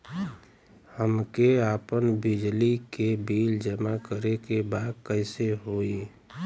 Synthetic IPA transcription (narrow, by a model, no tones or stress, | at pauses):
həmkeapənbid͡ʒlikebild͡ʒəmakəɾekebaːd̪̚kəɪseɦoi